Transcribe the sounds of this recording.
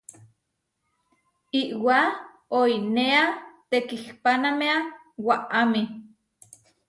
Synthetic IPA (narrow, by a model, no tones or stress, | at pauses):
iʔwa | oineat̪ekihpanamea | waʔami